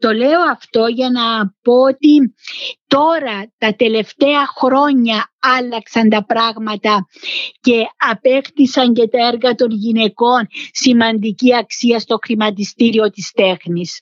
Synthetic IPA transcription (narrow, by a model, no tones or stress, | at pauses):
t̪o̞le̞o̞ɐft̪o̞ʝɐnɐpo̞ot̪it̪o̞ɾɐt̪ɐt̪e̞le̞ft̪e̞ɐxɾo̞ɲɐɐlːɐksɐnt̪ɐpɾɐɣmɐt̪ɐ | ce̞ɐpe̞kt̪isɐɲce̞t̪ɐeɾɣɐt̪o̞nʝine̞ko̞nsimɐnd̪iciɐksiɐst̪o̞xɾimɐt̪̬ist̪iɾio̞t̪ist̪e̞xnis